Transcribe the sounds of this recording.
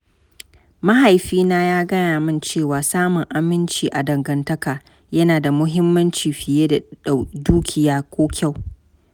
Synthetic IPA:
mɐ˦ɦa˨jɸiː˦naː˦jaː˦ɡɐ˦naː˨mɪ˦˨nt͡ʃeː˦˨waː˨saː˦mʊ˨ŋʔa˨mɪ˦nt͡ʃiː˨ʔa˨dɐ˨ŋɡɐ˨ntɐ˦kaː˨ | jɐ˦naː˨da˨mʊ˦ɦɪ˦mːɐ˦nt͡ʃiː˨ɸɪ˨jeː˦da˨a˨duː˦kʲʰɪ˨jaː˦kʷoː˦kʲʰa˦˨w

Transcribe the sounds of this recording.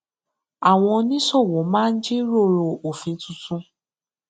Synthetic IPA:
a˨w̃ɔ̃˧nĩ˦sɔ˦˨wɔ̃˨˦mãː˦˧n̩˦d͡ʒi˦ɾo˦˨ɾo˨o˨fĩ˨˧tũ˨˧tũ˧

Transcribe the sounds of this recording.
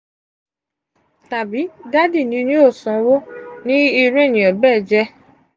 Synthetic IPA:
ta˨bi˨˦da˦di˦˨nĩ˧˦nĩ˦o˦˨sɔ̃˨wo˦nĩ˦i˧ɾe˦˨nĩ˨ɔ˨bɛː˦˨d͡ʒɛ˧

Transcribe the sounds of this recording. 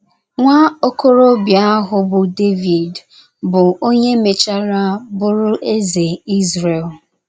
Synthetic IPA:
ŋʷa˦o˦ko˦ɾo˦bja˦a˦ɦʊ˨bʊ˨de˦vi˨d | bʊ˨o˦ɲe˦me˨t͡ʃa˦ɾa˦bʊ˦ɾʊ˦ʔe˦ze˨i˦zɾe˨l

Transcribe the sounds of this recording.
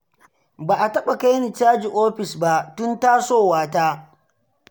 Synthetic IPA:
baː˨ʔa˨tɐ˦ɓa˨ka˦jni˨t͡ʃaː˦d͡ʒi˨ʔoː˦ɸɪ˨sba˦ʔtʊ˦nta˦soː˦˨waː˦taː˦

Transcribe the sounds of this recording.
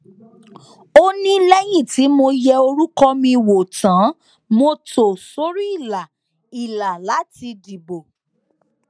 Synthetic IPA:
o˦nĩ˦lɛ˦j̃ĩ˦˨ti˨˦mo˧jɛ˧o˧ɾu˦kɔ˦mĩ˧˨wo˨tã˨˦ | mo˧to˨so˨˦ɾi˦i˦˨la˨ | i˨la˨la˨˦ti˧di˨bo˨

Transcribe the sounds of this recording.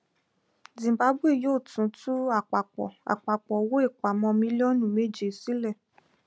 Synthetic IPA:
zĩ˨ba˨˦bu˦e˦˨joː˦˨tũ˨˦tu˦a˦˨k͡pa˨k͡pɔ̰˨a̰˨k͡pa˨k͡pɔ˨wo˦e˦˨k͡pa˨mɔ̃˧mĩ˦li˦ɔ˦nũ˦˨me˦˨d͡ʒe˨si˨˦lɛ˦˨

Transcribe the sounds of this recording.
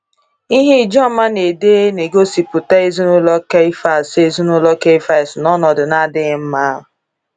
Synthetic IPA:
i˦ɦe˦i˨d͡ʒɔ˦ma˦ne˨de˦e˦ne˨ɡo˦si˨pʊ˨ta˦e˦zi˦nʊ˦lɔ˦ke˦fa˨se˦zi˦nʊ˦lɔ˦ke˦fa˦˨snɔ˦nɔ˨dʊ˨na˦dɪ˦ɣm̩˦ma˦ɦʊ˨

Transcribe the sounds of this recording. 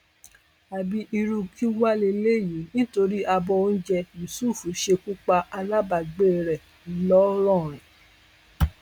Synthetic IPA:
a˨bi˧ʔi˧ɾu˧kʰi˦wa˦le˧le˦˨ji˨˦nĩ˦to˧ɾi˦a˧bɔ˧o˧n̩˦d͡ʒɛ˧ju˨su˦˨fu˨˦ʃe˧ku˦k͡pa˧ʔa˧la˦ba˨ɡ͡be˦˨ɾɛ˨˦ | lɔ˦ɾɔ̃˦˨ɾ̃ĩ˨

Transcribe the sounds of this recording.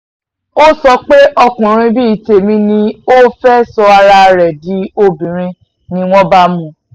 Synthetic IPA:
o˦sɔ˧k͡pe˦ʔɔ˧kũ˨ɾ̃ĩ˧bi˦i˨te˨mĩ˧nĩ˧o˦fɛ˦sɔ˧a˧ɾa˧ɾɛ˨di˨˦o˧bĩ˨ɾ̃ĩ˧ | nĩ˧w̃ɔ̃˦ba˦mũ˧˨

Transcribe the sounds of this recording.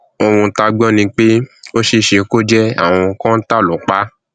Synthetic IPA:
o˧wũ˧ta˧ɡ͡bɔ̃˦nĩ˧k͡pe˦o˦ʃe˧ʃe˨˧ko˦d͡ʒɛ˦a̰˦˨w̃ɔ̃˧kã˦n̩˦ta˦˨lo˨˦k͡pa˨˦

